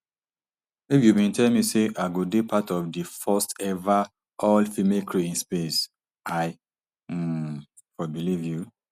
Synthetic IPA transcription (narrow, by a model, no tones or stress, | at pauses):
ifjubĩntʰɛlmiseʔaɪɡodepʰatɔfdifɔstɛva | ʔɔlfimekʰɹeĩnspes | aɪ | fɔbilivju